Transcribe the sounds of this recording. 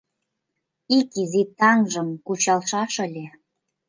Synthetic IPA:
ikizit̪ɑŋʒə̆mkut͡ɕɑlʃɑʃə̆lʲe

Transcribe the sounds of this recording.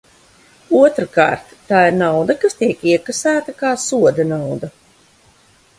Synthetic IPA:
uɔt̪ɾka̰ːɾt̪ːaːiɾnawd̪akast̪iɛkiɛkasæːt̪akaːsuɔd̪ɛnawd̪ɐ

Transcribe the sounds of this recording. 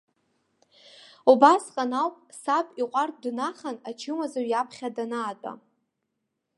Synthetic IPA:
ubasqʼanawpʼsapʼiqʷʼartʼdnaχanat͡ʃʰɨmazaɥjapʰχʲadanaːt͡pʷʼa̰

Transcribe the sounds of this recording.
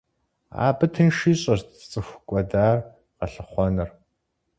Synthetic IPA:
a̰ːbɨtʰɨnʃiːɕʼɐrtt͡sʼɨxʷkʷʼɔdaːr | qɐɬɨχʷɔnɨr

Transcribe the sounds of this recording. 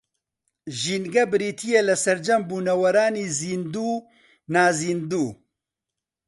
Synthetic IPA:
ʒiːnɡɐbɨɾiːt̪ʰijelɐsɐɾd͡ʒɐmbuːnɐwɐɾaːniːziːnd̪uː | naːziːnd̪uː

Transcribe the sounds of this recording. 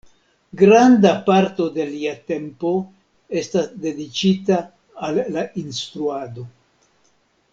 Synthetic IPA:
ɡɾandapaɾto̞de̞liate̞mpo̞ | e̞stasde̞dit͡ʃitaː | lːaʔinstɾuado̞

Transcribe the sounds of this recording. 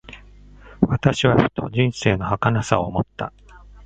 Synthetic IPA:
βat̪aɕiβaɸɯ̟̥t̪o̞̰d͡ʑĩɰ̃se̞ːno̞hakanasaomot̪ːa̰

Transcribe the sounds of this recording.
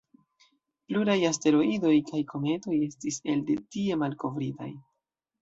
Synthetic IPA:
pluɾajaste̞ɾo̞ido̞jkajkʰo̞me̞to̞je̞stise̞lde̞tie̞malko̞vɾita̰j

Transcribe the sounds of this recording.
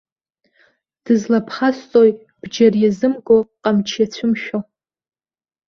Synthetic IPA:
d̥ɨzlapʰχast͡sʼoj | b̥d͡ʒarjazɨmɡʼoqʼamt͡ʃʰjat͡sʷʰʊmʃᶣo

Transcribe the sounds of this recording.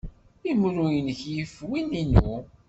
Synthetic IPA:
imɾujənəçjəfwininṵ

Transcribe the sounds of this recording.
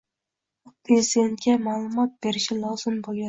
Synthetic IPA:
pʰɾezid̪ent̪̚kʲɛmɑlˠumɑt̪̚beɾɪʃɪlˠɑz̥ɨmbolˠɡʲa

